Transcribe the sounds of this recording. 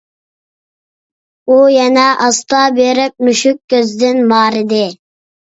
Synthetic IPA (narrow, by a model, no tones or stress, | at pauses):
ujɛnɛʔɑst̪ɑbeɾɪp̚nuʃykʲːøzɪd̪ɪnmɑːɾɪd̪ɪ